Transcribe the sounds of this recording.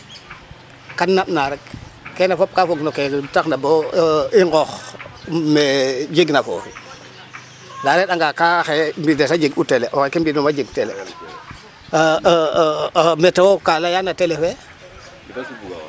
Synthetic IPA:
kanːamnaɾek̚kːenafop̚kafoɡnokeltaxnaboiŋɡɔx | med͡ʒiɡnafo̰f | daɾeɗaŋɡakaxembidesad͡ʒiɡuteleʔɔxekembidomad͡ʒiɡ̚telḛ | metewokalajanatelefe

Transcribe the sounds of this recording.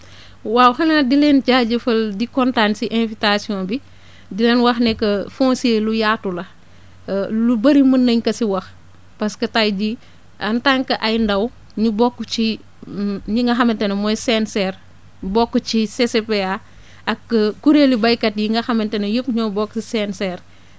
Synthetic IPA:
waːwxɐnadilɛnt͡ʃaːɟɐfɐldikɔntansiʔɛnfitasiɔ̃nbi | dilɛnwɐxnɛkːɐfɔ̃nseːlujaːtulɐ | lubɐɾimɐnːɐɲkɐsiwɐx | pɐskɐtajd͡ʒi | ʔɐntaŋkɐʔɐjndɐw | ɲubɔkːut͡ʃi | ɲiŋɡɐxɐmɐntɛnɐmɔjsɛnsɛr | bɔkːət͡ʃisesepea | ɐkːuɾelibɐjkɐtjiŋɡɐxɐmɐntɛnɐjəpɲɔːbɔksisɛnsɛːr

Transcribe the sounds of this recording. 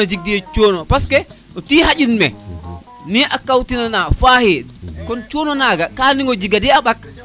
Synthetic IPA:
ad͡ʒiɡ̚dijet͡ʃoːnɔpaskɛ | ɔtihad͡ʒinmɛ | niʔakawtinanafahikɔnt͡ʃoːnɔnaɡakaːniŋɡod͡ʒiɡadiaɓak̚

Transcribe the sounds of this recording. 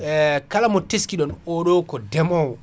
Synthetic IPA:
ɛkalamɔteskiɗɔnɔɗɔkɔdɛmɔw

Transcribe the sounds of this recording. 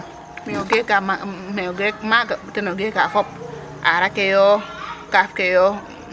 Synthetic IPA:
mioɡekamameɡemaɡatenoɡekafɔp̚ | a̰ɾakejɔkafkejɔ

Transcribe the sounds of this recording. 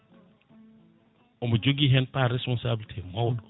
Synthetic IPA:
omod͡ʒoɡiɦɛnd̚paɾɛspɔnsabilitʰimad

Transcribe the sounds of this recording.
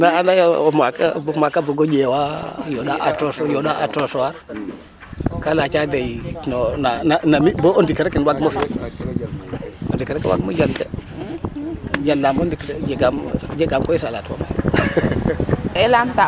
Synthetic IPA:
naanajamakabmakabuɡod͡ʒewajodaʔatosjoɗaa̰tosɔwaɾ | kalat͡ʃadejnonananamiboʔondikəɾekinwaɡmofi | ondikəɾekḛwa̰ɡmod͡ʒalde | d͡ʒalːamondikɾd͡ʒeɡamd͡ʒeɡamkojisalatwa̰mafḭ | ɛlamta

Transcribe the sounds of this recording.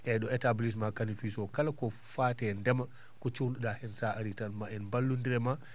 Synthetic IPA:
ʔɛɗɔɛtablis̬makanifisɔkalakɔ | faːtɛndɛma | kɔt͡ʃunɗuɗahɛnsaaɾitanmaɛnmbalːundiɾɛma

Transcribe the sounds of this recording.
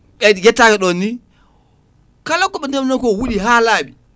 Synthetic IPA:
ɓɛjɛtːakɛɗɔnːi | kalakɔɓɛndamnakowuɗiɦalaɓi

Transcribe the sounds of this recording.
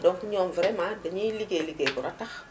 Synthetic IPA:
dɔːŋkiɲɔːmvɾɛmaːdɐɲiliɡeliɡebuɾɐtɐx

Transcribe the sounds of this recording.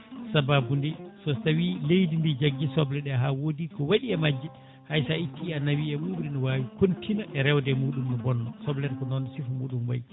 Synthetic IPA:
sababundisɔsawilejdindid͡ʒaɡːisɔblɛɗɛɦawodikɔwaɗiɛmad͡ʒːi | hajsaitʰːianːawiɛmubɾinɔwaːwikontʰinaʔɛɾɛwdɛmuːɗumnɔbɔnːɔsɔblɛɾkɔnɔnɔsifumuːɗumwa̰j

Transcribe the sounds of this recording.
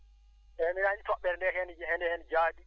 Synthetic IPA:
ʔɛminaɲitɔɓːɛɾndɛhɛnhɛndɛhɛnd͡ʒaːdi

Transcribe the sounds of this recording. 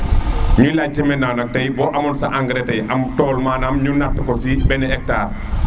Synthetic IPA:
ɲulad͡ʒimɛnanɐk̚tɐjbɔʔɐmɔnsa̰ʔaŋɡɾɛtɐjʔamtɔːlmaːnamɲunatːɐkɔsibɛnɛɛk̚taːɾ

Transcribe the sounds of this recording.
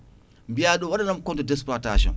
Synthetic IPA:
mbijaɗuwaɗanamkɔntɔdɛs̬pataʃɔ̰̃n

